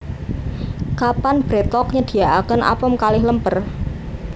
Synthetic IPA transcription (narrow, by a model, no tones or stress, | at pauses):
kapanb̥ɾet̪ɔk̚ɲəd̪̥i̤aʔakənʔa̰pəmkalɪhləmpər